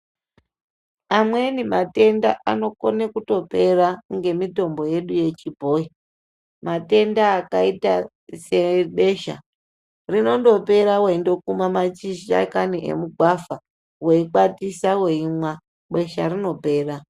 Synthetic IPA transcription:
amwe̞nimate̞ndaʔano̞konekuto̞pe̞ɾaŋɡe̞mito̞mbo̞je̞ɗuje̞t͡ʃibʱo̞i | mate̞ndaːkaita | se̞ɓe̞ʃa̰ | rino̞ndo̞pe̞ɾaweindo̞kumamat͡ʃiʃia̰kaniʔḛmuɡʱwafa | we̞ikatisawe̞imwa | ɓe̞ʃarino̞pe̞ːra

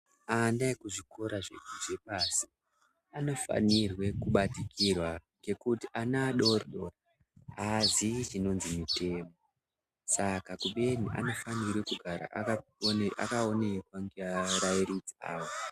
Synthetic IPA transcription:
anaekuʐikʰo̞ɾaʐḛkuʐe̞paːsi̥ | ano̞fa̰nirwe̞kuɓatikirwaŋɡekutiʔanaɗo̞rɗora | azit͡ʃino̞nzimite̞ːmo | sakakuɓe̞niʔa̰no̞fanirwekuɡʱaɾa̰ʔkaa̰kao̞nekwaŋɡeaɾajiɾid͡zia̰ːwo

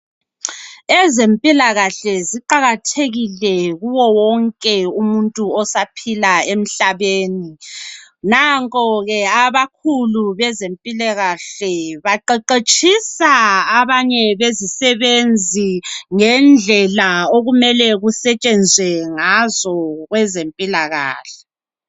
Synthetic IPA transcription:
ɛzempʼilaɣaɬɛziǃaɣatʰeɣilɛɣuwɔwɔŋkʼɛumuntʼuɔsapʰilaem̩ɬaβeːni | naŋkʼɔɣɛaβakʰuluβɛzempʼilaɣaɬɛβaǃeǃet͡ʃʼisaaβaɲɛβezisɛβend͡zʱiŋɛnd͡ɮʱɛlaoɣumɛlɛɣusɛt͡ʃʼɛnd͡zʱwɛŋazɔɣwɛzempʼilaɣa̰ːɬɛ̥

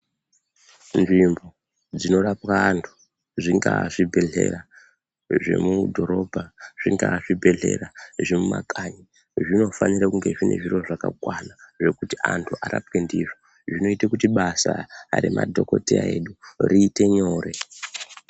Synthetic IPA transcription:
nʐimbo̞ | d͡zino̞rapwaːntʰu̥ | ʐiŋɡaʐibʱe̞ɮe̞̰ra | ʐe̞̰mudʱo̞ɾo̞bʱaʐ̥iŋɡaʐibʱe̞ɮe̞raʐe̞muma̰kʰaɲi | ʐino̞fanirakuŋɡe̞ʐine̞̰ʐiro̞ʐakakwanaʐe̞kuti̥antʰuʔaɾapwe̞ndiʐo | ʐino̞itakutiɓasaɾemʔa̰dʱo̞ko̞tea̰e̞ɗuriːte̞ɲo̞ːre̞

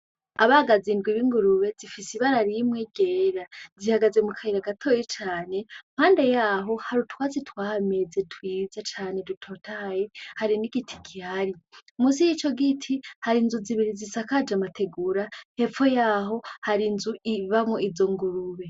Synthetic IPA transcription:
aβaɡaziːndɡwiβiŋɡuɾuβe̞zifisiβaɾaɾimŋeɡeːɾazihaɡaze̞mukʰaiɾaɡatʰo̞jit͡ʃaːne̞m̥haːnde̞jaːɦo̞haɾutwaːzitwaːhame̞zetwiːzat͡ʃaːne̞dutʰo̞tajehaɾiniɡitʰi̥kʰihaɾiumusijit͡ʃo̞ɡitʰihaɾinzuziβiɾizisakad͡ʒamatʰe̞ɡuɾahe̞fo̞jaːɦo̞haɾinzuiβamŋoizo̞ŋɡuɾuβe̞

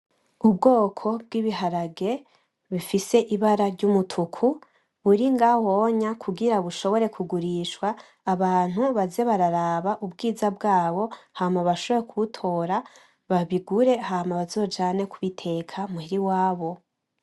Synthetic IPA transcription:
ub̚ɡo̞ːkʰo̞b̚ɡiːβiɦaɾaɡe̞ | βifise̞ʔiβaɾaɾɟumutʰukʰu | βuɾiŋɡawo̞ɲakʰuɡiɾaβuʃo̞βo̞ɾe̞kʰuɡuɾiːʃwaː | βaːn̥huβaze̞βaɾaɾaːβaʔubɡiːzab̚ɡaːβo̞hamaβaʃo̞βo̞ɾekʰuutʰo̞ːɾa | βaβiɡuɾe̞ɦamaβazo̞ːd͡ʒaːne̞kʰuβitʰe̞kʰamuhiɾiwaːβo̞

